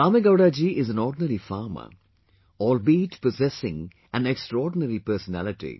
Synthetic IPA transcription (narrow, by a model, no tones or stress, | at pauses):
aːmeɡaʊɖad͡ʒiʔɪzæ̃nɔːɖɪnəɾifaːɾmə̰ | ɔːlbiːʈpɔzɛsɪ̰̃ŋ | æ̃nɛksʈɾɔːɖɪnəɾipəːɾsənæ̰lɪʈḭ